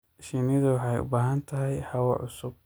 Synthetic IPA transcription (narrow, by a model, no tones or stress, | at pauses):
ʃinɪðʊwɑħɑjʊ̰baːɦɐnt̪ʰɐɦɛjħɑwɐʕʊsʊb̚